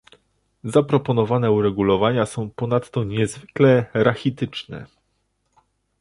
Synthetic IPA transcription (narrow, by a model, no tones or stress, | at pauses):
zapɾɔpɔnɔvanɛuɾɛɡulɔvaɲasɔ̃w̃pɔnat̪ːɔɲɛzvɘklɛɾaxʲit̪ɘt͡ʂnɛ̰